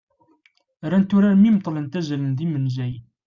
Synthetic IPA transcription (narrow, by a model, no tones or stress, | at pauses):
ɾænt̪ʊɾaɾmimt̪ˤːlənt̪æzælənðimənzæj